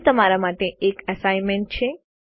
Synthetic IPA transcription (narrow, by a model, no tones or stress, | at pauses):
t̪əmaɾamaʈeekəsajnmeɳʈ̚t͡ʃʰe